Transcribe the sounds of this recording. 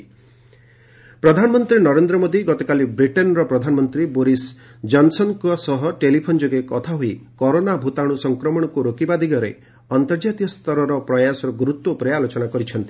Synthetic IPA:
pɾɔd̪ʱanɔmɔnt̪ɾinɔɾend̪ɾɔmod̪iɡɔt̪ɔkalibɾiʈɔnɾɔpɾɔd̪ʱanɔmɔnt̪ɾiboɾis | d͡ʒɔnsɔnkɔsɔɦɔʈelipʰond͡ʒoɡekɔt̪ʰaɦoikɔɾonabʱut̪aɽ̃usɔŋkɾɔmɔɽ̃ɔkuɾokibad̪ʱiɡɔɾḛ | ɔnt̪ɔɾd͡ʒat̪iɔst̪ɔɾɔɾɔpɾɔjasɔɾɔɡɾut̪wɔpɔɾealot͡ʃɔnakɔɾit͡ʃʰɔnt̪i̥

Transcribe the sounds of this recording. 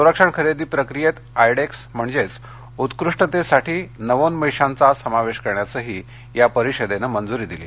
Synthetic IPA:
səɾəkʂəɳkʰəɾed̪iːpɾəkɾijet̪ | ajɽeksm̤əɳd͡zet͡s | ut̪kɾuʂʈət̪esaʈʰiːnəʋonməjʂant͡sasəmaʋeɕkəɾɳjat͡səɦiː | japəɾiɕəd̪enəmənd͡zuɾiːd̪iliː

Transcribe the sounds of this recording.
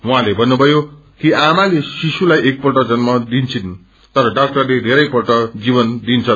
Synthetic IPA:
ũɦãlebʱʌnːubʱʌjo | kiʔamalesisulajʔek̚pʌʈʌd͡zʌnmʌd̪int͡sʰin | t̪ʌɾʌɖak̚ʈʌrled̪ʱeɾʌjpʌrʈʌd͡zibʌnd̪int͡sʰʌ

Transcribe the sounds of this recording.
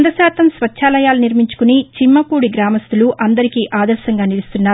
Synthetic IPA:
nd̪ɐʃaːt̪ɐmsʋɐt͡ʃʃʰaːlɐjaːluniɾmiɲt͡ʃu̥kunit͡ʃimːɐkuːɽiɡɾaːmɐst̪uluʔɐnd̪ɐɾikiːʔaːd̪ɐɾʃɐŋɡaːnilust̪unːaː

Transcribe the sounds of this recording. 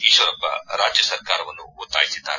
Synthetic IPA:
iːʃʋɐɾɐpːɐ̰ɾaːd͡ʒjɐsɐɾkaːɾɐʋɐnːuut̪ːa̰ːjisid̪ːa̰ːɾ

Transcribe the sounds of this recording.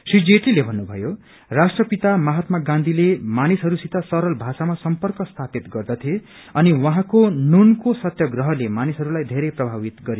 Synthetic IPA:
sid͡zeʈilebʱʌnːubʱʌjo | rasʈrʌpit̪amʌɦat̪maɡãnd̪ʱilemanisɦʌɾusit̪asʌɾʌlbʱasamasʌmpʌrkʌst̪ʰapit̪ɡʌrd̪ʌt̪ʰie | ʌniwʌɦãkonunkosʌt̪jʌɡrʌɦʌlemanisɦʌɾulajd̪ʱeɾeprʌbʱabit̪ɡʌɾj

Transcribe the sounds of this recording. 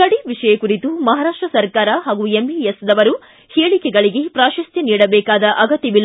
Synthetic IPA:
kɐɽiʋiʂɐjɐkuɾit̪umɐɦaːɾaːʂʈɾɐsɐɾkaːɾɐɦaːɡuembiesd̪ɐʋɐɾu | heːɭikɛɡɐɭiɡepɾaːʃɐst̪ʰiniːɽɐbɛːkaːd̪ɐʔɐɡɐt̪ːibilː

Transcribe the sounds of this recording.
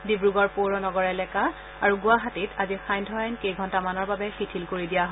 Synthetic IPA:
dibɹuɡɔɹpoɹɔnɔɡɔɹɛlɛka | aɹuɡʊaɦatitʰazixajndʱɔjajnkejɡʱɔntamanɔɹbabɛxitʰilkoɹidijaɦ

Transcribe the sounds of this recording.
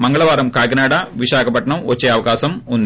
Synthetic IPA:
mɐŋɡɐɭɐʋaːɾɐmkaːjɡɐnaːɽɐʋiɕaːɡʰɐpɐʈːɐɳɐmot͡ɕːeɐʋɐɡaːsɐmunː

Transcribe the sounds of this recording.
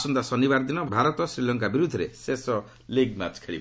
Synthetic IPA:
sund̪asɔnibaɾd̪inɔbʱaɾɔt̪ɔsɾilɔŋkabiɾud̪ʱːɔɾesesɔ | liɡma̰t͡ʃkʰeɭḭb

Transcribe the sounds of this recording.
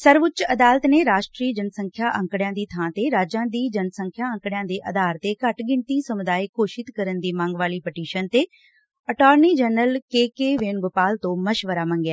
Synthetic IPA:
səɾʋʊt͡ʃəd̪aːlət̪neːɾaːʃʈɾiːd͡ʒənsəŋkʰjaːʔəŋkɽɪjãːd̪iːt̪ʰãːt̪eːɾaːd͡ʒãːd̪iːd͡ʒənsəŋkʰjaːə̃ŋkɽɪjãːd̪eːʔəd̪aːɾt̪eːkəʈɡɪɳt̪iːsəmʊd̪aːiːkʰoːʃɪt̪kəɾənd̪iːmãːŋɡʋaːliːpəʈiːʃənt̪eː | əʈaːɾniːd͡ʒɛːnəlkeːkeːʋɪnɡʊpaːlt̪õːməʃʋəɾaːmə̃ŋɡɛː

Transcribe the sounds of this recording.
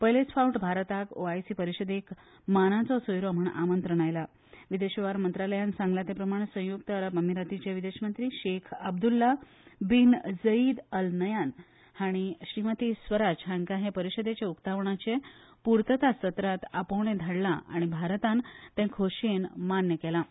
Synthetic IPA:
pəlesfauʈbʱaɾt̪ako̰ajsipəɾiɕəd̪ek | manat͡sɔsojɾɔm̤əɳa̰mənt̪ɾəɽ̃ajla | ʋid̪eɕəʋaɾmənt̪ɾaləjansãŋɡlat̪epɾəmaɽ̃esə̃juk̚t̪əɾapəmiɾat̪it͡ɕeʋid̪eɕmənt̪ɾiːɕekʰəb̚d̪ulːa | bind͡zəid̪əlnəjan | haɽ̃iɕɾimət̪iːsʋəɾad͡ʑɦãŋkaɦepəɾiɕəd̪et͡ɕeukt̪aʋɳat͡ɕepuɾt̪ət̪asət̪ɾat̪apowɳ̃ed̪ʱaɽlaʔa̰ɽ̃ibʱaɾt̪ant̪ẽkʰoɕenmanjəkɛla

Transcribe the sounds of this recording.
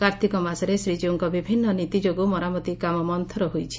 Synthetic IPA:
kaɾt̪ʰikɔmasɔɾesɾid͡ʒuuŋkɔbibʱinːɔnit̪id͡ʒoɡumɔɾamɔt̪ikamɔmɔnt̪ʰɔɾɔɦojt͡ʃʰi̥

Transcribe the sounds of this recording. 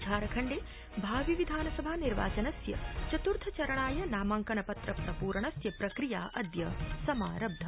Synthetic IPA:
t͡ʃʰaːɾɐkʰɐɳɖeː | bʱaːʋiʋid̪ʱaːnɐsɐbʱaːniɾʋa̰ːt͡ʃɐnɐsjɐ̰t͡ʃɐt̪uɾt̪ʰɐt͡ʃɐɾɐɳaːjɐnaːmaŋkɐnɐpɐt̪ɾɐpɾɐpuːɾɐɳɐsjɐpɾɐkɾijaːʔɐd̪jɐsɐma̰ːɾɐb̚d̪ʱɐ

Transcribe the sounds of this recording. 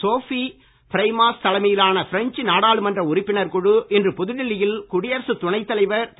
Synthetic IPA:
soːfi | pɪɾɐɪmaːst̪ɐlɐmɐjɪlaːnɐfɪɾɛɲt͡ʃɯnaːɽaːɭɯmɐndrɐʊɾɪpːɪnɐɾkɔɻɯʔɛndrɯpɔðɯɻɪlɪjɪlkʊɽɪjɐɾsɯt̪ʊɳɐɪt̪ːɐlɐɪʋɐɾt̪

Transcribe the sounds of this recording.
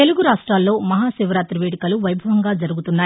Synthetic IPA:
e̞luɡuɾaːʂʈɾaːlːo̞ːmɐɦaːsiʋɐɾaːt̪ɾɐʋeːɽikɐluʋɐjbʱɐʋɐŋɡaːd͡ʒɐɾuɡut̪unːaː

